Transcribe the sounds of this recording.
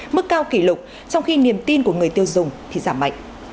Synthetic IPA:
mɨ˦˥kːaː˧wki˧˩lʊ˨˩k͡p̚ | t͡ɕɔ˧wŋ͡mxi˧ni˨˩əmt̪i˧nku˧˩əŋɨ˨˩əjt̪i˧əwzʊ˨˩ŋ͡mt̪ʰi˨˩zaː˧˩mːa̰˧˨jŋʔ̟

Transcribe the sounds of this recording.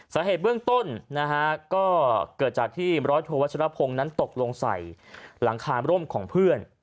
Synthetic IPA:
saː˩˨˦ɦeː˨˩t̪̚bɯ˥˩əŋt̪o˥˩nna˦˥kʰa˦˥kɔː˥˩kɤː˨˩t̪̚t͡ɕaː˨˩k̚t̪ʰiː˥˩ɾɔː˦˥jt̪ʰoː˧wa˦˥t͡ɕʰɾa˦˥pʰo˧ŋna˦˥nt̪o˨˩k̚lo˧ŋsa̰˨˩jla˩˦ŋkʰaː˧ɾo˥˩mkʰɔː˩˦ŋpʰɯ˥˩ən

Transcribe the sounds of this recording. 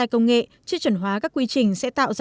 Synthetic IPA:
a˧jkə˧wŋ͡mŋḛ˧˨t͡ɕɨ˦˥t͡ɕə˧˩nɦwaː˨˦kaː˦˥kːwi˧t͡ɕï˨˩ŋ̟sɛ̰˧˥t̪a̰ː˧˨wz

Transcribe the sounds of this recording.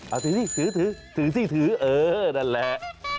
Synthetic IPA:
ʔaː˧˩t̪ʰɨ˨˦zi˧˩t̪ʰɨ˨˦t̪ʰɨ˨˦t̪ʰɨ˨˦t̪i˧˩t̪ʰɨ˨˦ʔəː˨ɗa˧˩lɛ˧˩˨

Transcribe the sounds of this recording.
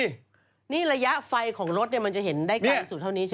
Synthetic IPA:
niː˥˩ɾa˧ja˦˥ʔfa˧jkʰɔː˩˦ŋɾo˦˥t̪̚ni˥˩ma˧nt͡ɕa˨˩ɦe˩˦ndaː˥˩jkaː˧˥su˨˩t̪ʰːa˥˩niː˦˥t͡ɕʰ

